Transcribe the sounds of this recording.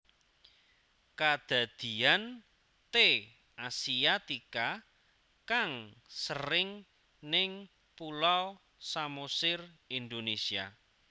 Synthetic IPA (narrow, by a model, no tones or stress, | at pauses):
kad̪̥a̤d̪̥i̤an | t̪e | ʔasiat̪ika | kaŋsərɪŋ | nɪŋ | pulaw | samosɪrind̪onesia̰